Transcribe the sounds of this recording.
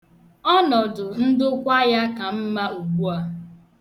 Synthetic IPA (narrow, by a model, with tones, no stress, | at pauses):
ɔ˦nɔ˨dʊ˨n̩˦dʊ˦kʷa˦ja˦ka˨m̩˦ma˦u˨ɡ͡bu˦a˦